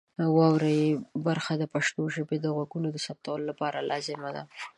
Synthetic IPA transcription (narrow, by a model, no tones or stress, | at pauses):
wɑwɾajibaɾxad̪əpaʃt̪oʒəbed̪əɣwaɡunod̪əsap̚t̪awəlolapɑɾalʔɑzɪmad̪a̰